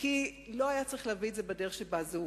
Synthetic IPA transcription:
kilo̞ajat͡saʁiχleavietzebedeeχʃebazu

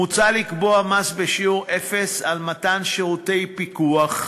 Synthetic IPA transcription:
ut͡salikboamasbeʃiuʁefesalmatanʃeʁutejpikuaχ

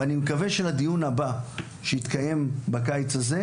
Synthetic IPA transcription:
animekave̞ʃelad̪ijunaba | ʃeit̪kaje̞mbakajt͡saze

